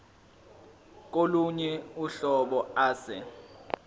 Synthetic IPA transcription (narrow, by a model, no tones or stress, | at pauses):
k̬oluɲɛuɬɔɓɔaːsɛ̰